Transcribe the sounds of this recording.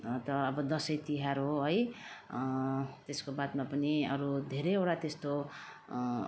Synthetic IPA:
t̪ʌʌbʌd̪ʌsʌjt̪iɦaɾoɦʌj | t̪eskobad̪mapʌniʌɾud̪ʱeɾʌjewɽat̪est̪o

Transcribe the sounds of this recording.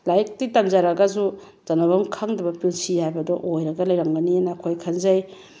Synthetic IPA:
lajk̚titɐmzaɾɐɡɐs̬u | zɐnɐbɐmkʰɐŋdɐbɐpilsihajbɐdɔʔojɾɐɡɐlɐjɾɐŋbɐnienɐːkʰojkʰɐnzɐj

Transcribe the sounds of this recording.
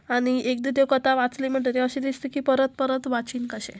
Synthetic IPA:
aɽ̃iʔek̚d̪id̪ewkət̪aʋat͡slim̤əɳʈet̪eəɕid̪ist̪ekipəɾət̪̚pəɾət̪ʋat͡ɕiːnkəɕḛ̃

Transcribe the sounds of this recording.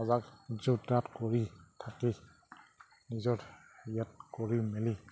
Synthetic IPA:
azakzutatkɔɹitʰaki | nizɔɹ | jat̚kɔɹimɛli

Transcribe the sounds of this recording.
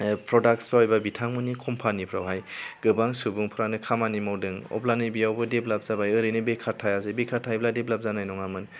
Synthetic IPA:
pʰɾɔdak̚sbaɔjbabitʰaŋmɯnikʰɔmpʰanipʰɾawɦajɡ̥ɯbaŋsubuŋpʰuɾanɯkʰamanimawdɯŋɔ̰planɯjbijawbɯdeblap̚zabajɯɾɯnɯbekʰatʰajazɯjbekʰatʰajbladeblap̚zanajnɔŋamɯn

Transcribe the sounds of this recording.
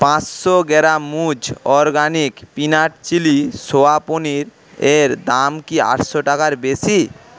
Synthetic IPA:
pãt͡ɕʃoɡɛɾamud͡ʑɔɾɡanikpinaʈt͡ɕilisoaponiɾ | eɾd̪amkia̰ʈʃoʈakaɾbesi

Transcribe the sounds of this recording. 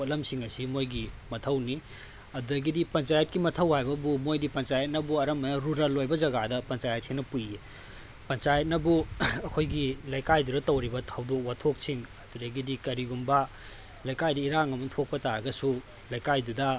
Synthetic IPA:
lɐmsiŋɐsimojɡimɐtʰɐwni | ɐduɾɐɡidipɐnt͡ʃajɐt̚kimɐtʰɐwhajbɐbumojdipɐnt͡ʃajɐt̚nɐbuɐɾɐmɐnɐɾuɾɐlːojbɐzɐɡadɐpɐnt͡ʃajɐt̚sʰinɐpuje | pɐnt͡ʃajɐt̚nɐbuɐkʰojɡilɐjkajdudɐtɐwɾibɐtʰɐwdok̚watʰok̚siŋɐduɾɐɡidikɐɾiɡumbɐ | lɐjkajdɐiɾaŋɐmutʰok̚pɐtaɾɐɡɐsu | lɐjkajdudɐ

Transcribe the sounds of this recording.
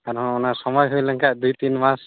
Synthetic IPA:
kaɾɦɔ̃ɔnasɔmɔjɦujlaŋkaʔd̪ujt̪inmas

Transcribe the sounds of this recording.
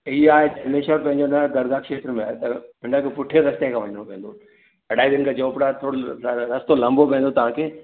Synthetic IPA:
iaːɦetɐmeːʃəɾpɐ̃ɦɪ̃ɲd͡ʑonɐɡ̪ɐɾɡaːkʃeːt̪ɾəmẽaːet̪ɐpɪ̃nãkʰepʊʈʰeɾɐst̪ekʰãːʋɐɲəɽ̃õpẽːn̆d̪o | ɐɽaːibɪnkʰad͡ʑoːpɽat̪ʰoːɽoɾɐst̪olɐ̃mbopẽːnd̪ot̪ɐʋ̤ãkʰeː

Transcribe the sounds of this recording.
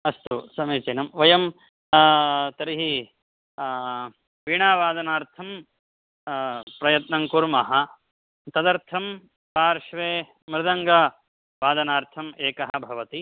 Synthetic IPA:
ɐst̪usɐmeːt͡ʃɐnɐmʋɐjɐm | t̪ɐɾiɦi | piːɳaːʋaːd̪ɐnaːɾt̪ʰɐm | pɾɐjɐt̪nɐŋkuɾmɐɦɐ̆ | t̪ɐd̪ɐɾt̪ʰɐm | paːɾʃʋeː | mɾɪd̪ɐŋɡɐ | ʋaːd̪ɐnaːɾt̪ʰɐmeːkɐɦɐ̆bʱɐʋɐt̪i

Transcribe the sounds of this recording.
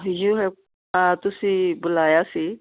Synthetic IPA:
ɦjuɦɛ | ɦãt̪ʊsĩbʊlaːjasi

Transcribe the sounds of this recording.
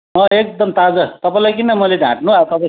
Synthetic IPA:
ʌek̚d̪ʌmt̪ad͡zʌt̪ʌpãĩlajk̬inamʌledʱã̰ʈ̚nubʱaot̪ʌbʌ

